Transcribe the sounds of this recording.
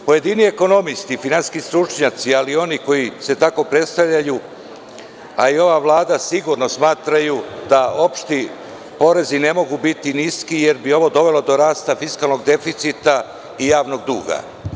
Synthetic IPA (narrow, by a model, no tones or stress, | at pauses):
po̞je̞d̪inie̞ko̞no̞mist̪ifinansi̥skist̪ɾut͡ʂɲat̪sialio̞niko̞jise̞t̪ako̞pɾe̞t̪st̪aʋʎaju | aio̞ʋaʋlˠaːd̪asiɡuɾno̞smaːt̪ɾajud̪ao̞pʃt̪i | po̞ɾe̞zine̞mo̞ɡubit̪iniskije̞ɾbio̞ʋo̞d̪o̞ʋe̞lo̞d̪o̞ɾaːst̪afiskalˠno̞ɡd̪e̞fit̪sit̪a | ijaːʋno̞ɡd̪uːɡa̰